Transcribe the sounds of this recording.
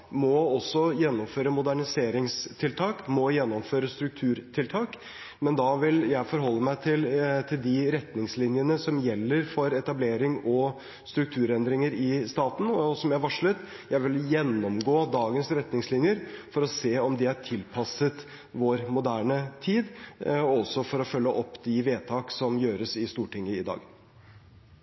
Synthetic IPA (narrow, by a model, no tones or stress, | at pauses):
mɔɔsːɔjɛnːɔmføːɾəmʊd̪æɳɪseːɾɪŋst̪ʰɪlt̪ʰɑːkmɔjɛnːɔmføːɾəst̪ɾʉk̚t̪ʰʉːɾt̪ʰɪlt̪ʰɑːk | mɛnd̪ɑʋɪljæɪfɔɾɦɔlːəmæɪt̪ʰɪlt̪ʰɪld̪ɪɾɛt̪nɪŋslɪnjənəsɔmjɛlːəɾfɔɾɛt̪ɑbleːɾɪŋɔ | st̪ɾʉk̚t̪ʰʉːɾɛnd̪ɾɪŋəɾɪst̪ɑːt̪n̩ɔsɔmjæɪʋɑʂɭət̪jæɪʋɪljɛnːɔmɡoːd̪ɑːɡənsɾɛt̪nɪŋslɪnjəɾfɔɾɔseːɔmd̪ɪhæʈʰɪlpʰɑsət̪ | ʋoːɾmʊd̪æːɳət̪ʰiːd̪ɔsɔfɔɾɔfœlːəʔɔpːd̪ɪʋeːt̪ʰɑːksɔmjøːɾəsɪst̪uːʈʰɪŋːəɪd̪ɑ̰ːɡ